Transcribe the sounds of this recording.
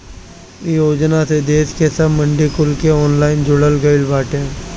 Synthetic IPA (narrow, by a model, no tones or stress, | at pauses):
ijoːd͡ʒnased̪eːskesəməɳɖikʊlkeɔːnlaːɪnd͡ʒʊɽəlɡəɪlbaːʈẽː